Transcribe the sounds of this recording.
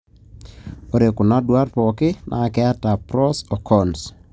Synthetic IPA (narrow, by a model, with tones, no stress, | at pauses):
o˨ɾe˨kʊ˨na˦dwa˦ɾpɔ˨kɪ˦nʔa̰˨kɛ˦a˦ta˨pɾɔ˦sɔ˨kʰɔns